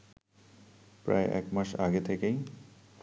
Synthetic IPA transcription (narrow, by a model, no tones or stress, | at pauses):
pɾa̰eʔɛ̰kmaʃaɡet̪ʰekej